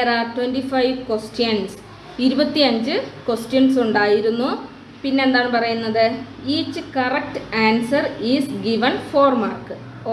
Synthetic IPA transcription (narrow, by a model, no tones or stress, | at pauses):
ɾaːrtwenɖifɐjʋkwesʈjɐns | iɾubɐt̪ːiɐɲd͡ʑɨkwesʈjɐnsuɳɖaːjiɾunːu | pinːe̞end̪aːɳɨpɐrɐjunːɐðɨiːt͡ɕːɨkɐrɐk̚ʈaːnsɐrisɡiʋɐnfoːrmarkː